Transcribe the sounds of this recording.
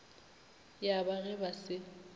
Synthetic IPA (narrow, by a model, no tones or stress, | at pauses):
jabaɣɛbasɪ